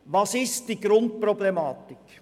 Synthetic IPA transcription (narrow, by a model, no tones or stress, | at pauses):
vɑːsɪst̚d̥iːɡɾʊntprɔblɛmɑːtɪk